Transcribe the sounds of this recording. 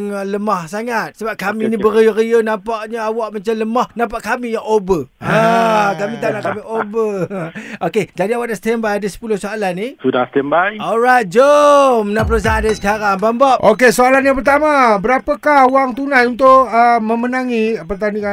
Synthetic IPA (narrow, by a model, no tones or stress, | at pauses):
ŋləmahsaŋat̪̚səbap̚kaminibəɾiəɾiənãmpaʔɲəawaʔmat͡ʃamləmahnãmpaʔkamĩjaŋobəakamĩt̪anaʔkamiʔobə | ʔoked͡ʒadiawaʔdast̪ɛmbajadəsə̥pulʊhsoalanːisudast̪ɛmbajɔlɾajt̪̚d͡ʒomnãpəos̬aadəsə̥kaɾaŋbambaʔʔokesoalanjap̬ərt̪amãbəɾapəkahuaŋt̪unãjunt̪ʊʔəmə̃mənãŋipərt̪anika